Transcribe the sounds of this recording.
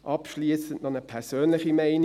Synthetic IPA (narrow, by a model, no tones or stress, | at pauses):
ʔɑpʃliːsəntnɔnəpʰɛʁsøːnlɪχimɛɪn